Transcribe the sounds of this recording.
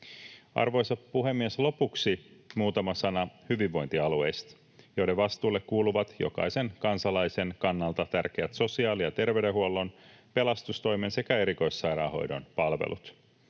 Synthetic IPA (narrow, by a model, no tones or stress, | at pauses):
ɑ̰rʋo̞jsɑppuɦe̞mːieslo̞puksimuːt̪ɑmɑsɑnɑhyʋiʋːo̞jnt̪iɑlue̞̰jst̪ | jo̞ideʋʋɑst̪uːlːe̞kkuːluʋɑt̪jo̞̰kɑ̰jse̞ŋkɑnsɑlɑjsenkɑnːɑlt̪ɑt̪ærkeæt̪so̞siɑːlijɑt̪e̞rʋeɥdeɦuolːo̞npe̞lɑst̪ust̪o̞jmense̞kæe̞ɾiko̞jsːɑjɾɑ̰ːho̞̰jdo̞̰npɑlʋḛlʔṵt̪